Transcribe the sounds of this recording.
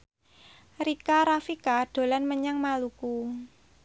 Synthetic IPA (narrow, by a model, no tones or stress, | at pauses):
rikaɾafikaɖ̥o̤lanməɲaŋmaluku